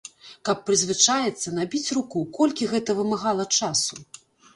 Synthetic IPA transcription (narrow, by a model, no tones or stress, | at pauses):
kɐpːɾɨzʲvɨt͡ʂajɛt̪sːɐnabʲit͡sʲrukukɔlʲkʲiɣɛt̪ɐvɨmaɣalˠɐt͡ʂasu